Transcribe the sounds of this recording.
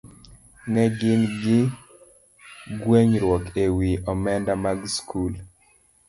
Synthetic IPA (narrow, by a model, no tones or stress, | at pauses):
nɛɡɪnɡɪ | ɡweɲɾwɔkewiʔɔmɛndamaɡskʰul